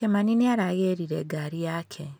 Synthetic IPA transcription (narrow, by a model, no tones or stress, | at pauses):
emaniniaɾaɣeɾiɾeɡaɾijaːkʰe